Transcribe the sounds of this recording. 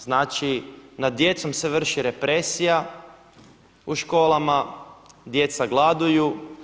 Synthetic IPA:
znaːt͡ʃinad̪̚d̪ːje̞t̪so̞mse̞ʋr̩ʃiɾe̞pɾesija | uʃko̞ːlˠamad̪je̞t̪saɡlˠad̪uju

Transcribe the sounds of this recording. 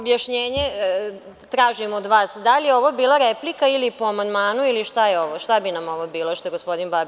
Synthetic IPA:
objaʃɲeːɲe | t̪ɾaːʒimod̪ʋaːsd̪alijeo̞ʋobiːlˠaɾeplikailipoamand̪maːnuiliʃt̪ajeo̞ʋoʃt̪abinamo̞ʋobiːlˠoʃt̪oeɡospo̞d̪inbabi

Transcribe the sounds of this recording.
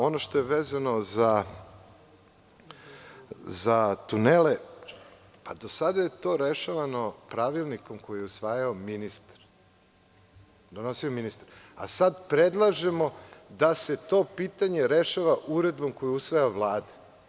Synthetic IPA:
o̞noʃt̪o̞jeʋeːzano̞za | zat̪unele | pad̪o̞sad̪aje̞t̪o̞ɾe̞ʃaʋano̞pɾaʋilˠniko̞mko̞jijɛusʋaːjaominist̪ɾ | d̪o̞nosiominist̪aɾa̰sad̪pɾed̪lˠaʒe̞mo̞d̪aset̪o̞pit̪aɲe̞ɾeʃaʋaʔuɾe̞d̪bo̞mko̞jiusʋajaoʋlˠaːd̪e̥

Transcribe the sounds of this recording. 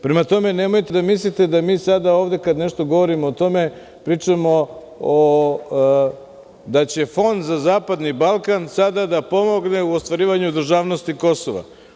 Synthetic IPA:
pɾe̞mat̪o̞me̞nemo̞jt̪e̞d̪amis̬lit̪e̞d̪amiːsad̪aoːʋd̪e̞kad̪ne̞ʃt̪o̞ɡo̞ʋo̞ɾimoːt̪o̞me̞ | pɾiːt͡ʂamo̞ | d̪at͡ɕe̞fo̞nd̪zazaːpad̪nibalˠkansad̪ad̪apo̞mo̞ɡne̞uost̪ʋaɾiːʋaɲud̪ɾ̩ʒaːʋno̞st̪iko̞soʋa̰

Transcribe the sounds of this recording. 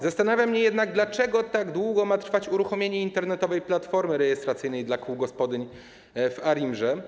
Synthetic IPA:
zast̪anavʲjamːɲɛjɛd̪naɡ̚d̪lat͡ʂɛɡɔt̪aɡd̪wuɡɔmat̪ɾfat͡ɕuɾuxɔmʲjeɲɛint̪ɛɾnɛt̪ɔvɛjplat̪fɔɾmɘɾɛjɛst̪ɾat̪sɘjnɛjd̪lakʰuwɡɔspɔd̪ɘɲ | vaɾimʐɛ

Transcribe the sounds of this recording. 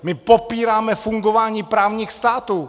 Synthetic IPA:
mɪpopiːɾaːmɛfuŋɡovaːɲiːpɾaːvɲiːxst̪aːt̪uː

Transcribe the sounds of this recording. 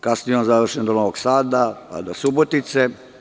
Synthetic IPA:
kasnijonzaʋr̩ʃend̪onoʋoɡsaːd̪aa̰d̪osubot̪it̪se

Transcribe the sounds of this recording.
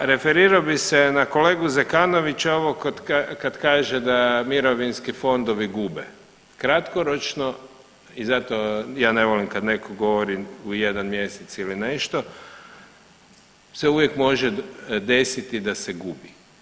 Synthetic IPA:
ɾe̞feɾiɾaobisenako̞leːɡuzekaːno̞ʋit͡ʃaoʋokoakad̪kaːʒed̪amiɾo̞ʋinskifo̞nd̪oʋiɡubḛ | kɾat̪koɾot͡ʃno | izat̪ojaːneʋolimkad̪ne̞kʰoɡo̞ʋoɾiujed̪anmje̞set̪silineʃt̪o | seuʋjekmo̞ʒɛd̪e̞sit̪id̪aseɡubi

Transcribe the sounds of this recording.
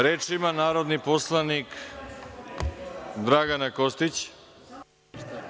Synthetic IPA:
ɾeːt͡ʃiimanaːɾo̞d̪niposlˠanik | d̪ɾaɡanakost̪it͡ɕ

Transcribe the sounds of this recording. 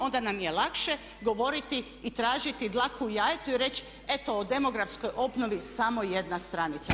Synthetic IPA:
o̞nd̪anamjelˠakʃe | ɡo̞ʋo̞ɾit̪iː | t̪ɾaːʒit̪id̪lˠakujaːjet̪uiɾe̞t͡ɕ | e̞t̪ood̪e̞mo̞ɡɾafsko̞jʔo̞bno̞ʋisamo̞je̞d̪nast̪ɾanit̪sa

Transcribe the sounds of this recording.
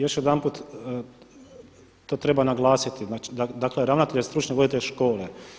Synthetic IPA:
jo̞ʃjod̪anpuːt̪ | t̪o̞ːt̪ɾe̞banaɡlˠaːsit̪iat͡ʃd̪ad̪akleɾaʋnat̪eʎest̪ɾut͡ʃɲeʋo̞d̪it̪eʎʃko̞ːle

